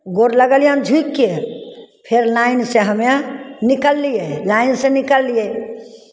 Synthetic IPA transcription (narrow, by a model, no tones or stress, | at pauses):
ɡoɾləɡəljãnd͡ʒʱukːepʰeɾlaːɪnseɦəmjãnikəlːijelaːɪnsenikəlːije